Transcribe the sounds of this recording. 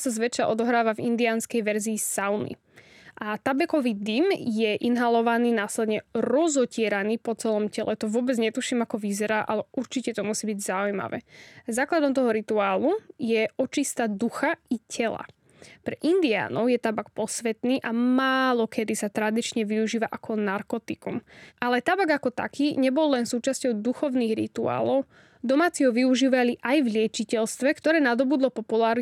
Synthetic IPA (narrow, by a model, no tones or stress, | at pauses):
sazʋɛt͡ʃaʔɔd̪ɔɦɾaːʋavind̪iaːnskɛjʋɛɾziːsaʊnḭ | ʔat̪abɛkɔʋiːd̪imjɛʔinɦalɔʋaniːnaːslɛd̪ɲɛɾɔzɔcɪɛɾaniːpɔt͡sɛlɔmcɛlɛt̪ɔʋʊɔbɛd͡zɲɛt̪uʃiːmakɔʋizɛɾaːʔalɛʔuɾt͡ʃicɛt̪ɔmusiːbiɟzaujma̰ʋɛ̰ːzaːklad̪ɔmt̪ɔɦɔɾit̪uaːlujɛʔɔt͡ʃist̪ad̪uxaicʰɛla̰ | pɾɛʔind̪ia̰ːnɔʊjɛt̪abak̚pɔsʋɛt̪niːʔamaːlɔkʰɛd̪isat̪ɾad̪it͡ʃɲɛʋiuʒiːʋaʔakɔnaɾkɔt̪ikumʔalɛt̪abaɡakɔt̪a̰kʰiːɲɛbɔlːɛnsuːt͡ʃascɔʊd̪uxɔʊniːɣɾḭt̪ua̰ːlɔʊ | d̪ɔmaːt͡siɦɔʋiuʒiːʋaliʔajvlɪɛt͡ʃicɛlst̪ʋɛkt̪ɔɾɛːnad̪ɔbud̪lɔpɔpulaːɾ